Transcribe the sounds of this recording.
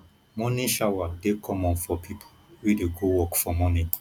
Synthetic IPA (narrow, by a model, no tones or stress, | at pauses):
mɔnĩʃawadekʰɔmɔ̃nfɔpʰipʰo | wideɡowɔkfɔmɔnĩ